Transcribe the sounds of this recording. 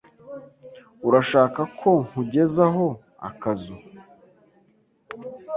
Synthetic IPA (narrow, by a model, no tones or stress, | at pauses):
uɾaʃaːkakʰo̞ŋŋ̥uɟe̞zaɦo̞ | a̰kazu